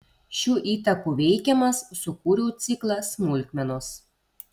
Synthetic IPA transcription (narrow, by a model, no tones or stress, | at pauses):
ʃʲuːʔiːt̪ɐkuːʋʲɛɪkʲɛmɐsːʊkuːɾʲuːt̪sʲɪklˠɐsmʊlʲkʲmʲɛnos